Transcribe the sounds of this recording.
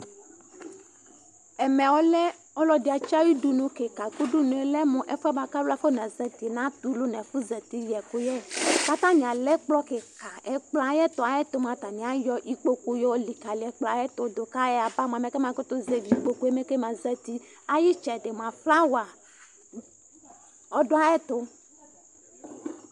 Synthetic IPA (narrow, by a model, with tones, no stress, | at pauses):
ɛ˨mɛ̃˨wɔ˦lɛ˦ | ɔ˦lɔ˦di˨a˨t͡ʃi˦a˦wi˦du˦nũ˨ke˨ka˨ku˦du˦nũ˨e˨lɛ˦mũ˨ʔɛ˦fɛ˦ba˦ka˦lu˦a˨fe˦nã˨zɛ˨t̪i˨nã˦t̪u˦lu˦nɛ̃˨fu˦zɛ˨t̪i˦jɛ˨ko˦jɛ˦ka˦t̪ã˦ɲĩ˨a˨lɛ˦k͡plɔ˦ke˨ka˨ʔɛ˨k͡pla˨jɛ˦t̪ʊ˨a˨jɛ˦t̪o˦mã˨t̪a˨nĩ˨a˦jɔ˦ʔi˦k͡po˦ku˦jɔ˦li˨ka˨li˨ɛ˨k͡pla˨jɛ˦t̪ʊ˨d̪o˨ka˦jɛ˦a˨ba˦m˨ã˨mɛ̃˨ke˦mã˨ko˦t̪ʊ˦ze˨vi˨k͡po˦ku˦e˦me˦ke˦mã˨zɛ˦t̪i˦ | a˦ji˦t͡ʃɛ˨de˨m˨ã˨fla˦wa˨ | ɔ˦dʊ˦a˦ɛ˦t̪ʊ˦